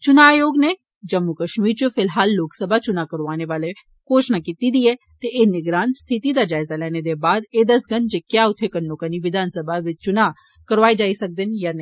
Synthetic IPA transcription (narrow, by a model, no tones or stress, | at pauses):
t͡ʃʊnaːjoːɡne | d͡ʒəmːukəʃmiːɾt͡ʃofɪlɦaːlːoːksəbʱat͡ʃʊnakəɾʋaːneʋaːle | koːʃnakiːt̪id̪iːɛ | t̪eʔeːnɪɡɾaːnst̪ʰɪt̪id̪ad͡ʒaːɪzalɛːned̪ebaːd̪eːd̪ɐsɡənd͡ʒekjaːʊt̪ʰːekənːokəniʋɪd̪ʱaːnsəbʱaʋɪt͡ʃt͡ʃʊna | kəɾʋaːid͡ʒaːisɐk̚d̪ɪnjanẽ